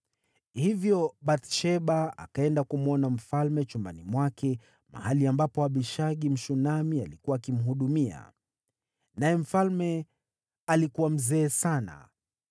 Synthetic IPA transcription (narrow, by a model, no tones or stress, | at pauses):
hivjɔɓat̪ʃɛɓaa̰kaɛndakumuɔnam̩falmɛt͡ʃumbanimwakɛ | ma̰haliambapɔaɓiʃaɠim̩ʃunamialikuwaːkim̩ɦuɗumia̰ | najɛm̩falmɛ | alikuwam̩zɛːsana̰